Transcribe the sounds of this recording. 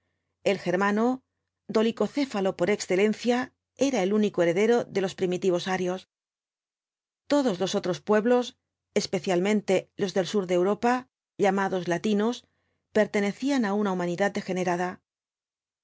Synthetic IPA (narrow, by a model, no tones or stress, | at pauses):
e̞lxe̞ɾmano̞ | d̪o̞liko̞θe̞falo̞po̞ɾe̞ksθe̞le̞nθja | e̞ɾae̞lunikoe̞ɾe̞ðe̞ɾo̞ðe̞lo̞spɾimit̪iβ̞o̞saɾjo̞s | t̪o̞ðo̞zlo̞so̞t̪ɾo̞spwe̞βlo̞s | e̞spe̞θjalmẽ̞nt̪e̞lo̞zðe̞lsuɾðewɾo̞pa | ʎamaðo̞zlat̪ino̞s | pe̞ɾt̪e̞ne̞θianaunaumãniðat̪̚d̪e̞xe̞ne̞ɾaða